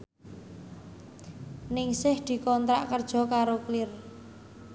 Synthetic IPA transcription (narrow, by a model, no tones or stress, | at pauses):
nɪŋsɪhd̪̥i̤kɔnt̪ɾaʔkərd̥ʒ̥ɔ̤kaɾoklɪr